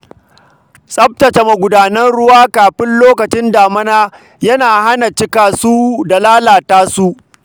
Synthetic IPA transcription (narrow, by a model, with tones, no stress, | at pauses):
sʼɐ˦p̚tɐ˨t͡ʃe˨mɐ˨ɡʷʊ˨daː˨nɐ˦nɽʊ˦waː˦kaː˨ɸɪ˦nloː˦kɐ˨t͡ʃɪ˦ndaː˨mɐ˦naː˦ | jɐ˦naː˨ha˦na˨t͡ʃɪ˦kaː˨suː˦da˨laː˦laː˨taː˦su˦ʔ